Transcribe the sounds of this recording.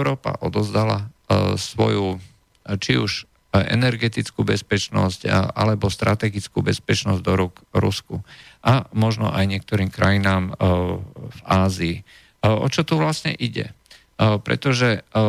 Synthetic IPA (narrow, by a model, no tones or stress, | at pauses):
ʊɾɔːpa̰ʔɔd̪ɔzd̪ala̰sʋɔ̰ju | t͡ʃiuʒ | ɛ̰nɛɾɡɛt̪it͡skubɛspɛt͡ʃnɔscʔalɛbɔst̪ɾʔat̪ɛɡit͡skubɛspɛt͡ʃnɔzd̪ɔɾukɾuskuʔamɔʒnɔ̰ʔajɲɪɛk̚t̪ɔɾiːmkɾajinaːm | vaːziː | ɔ̰t͡ʃɔt̪uʋlasɲɛ̰ʔiɟɛ̰ | pɾɛ̰t̪ɔʒɛ